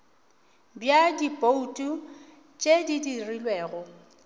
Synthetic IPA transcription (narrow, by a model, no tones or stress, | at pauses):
bjadipʼoutʼu | t͡ʃʼedidirilweːɣʊ